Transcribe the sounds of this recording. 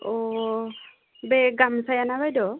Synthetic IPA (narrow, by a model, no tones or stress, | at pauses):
ɔ | bɛɡamsajanabajdɔ